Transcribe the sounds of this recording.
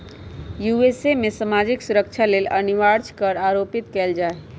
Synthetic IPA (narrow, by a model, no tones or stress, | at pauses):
juesemesəmad͡ʒiksuɾəkt͡ʃʰaleːləniʋaɾt͡ʃkəɾaɾopit̪keːld͡ʒae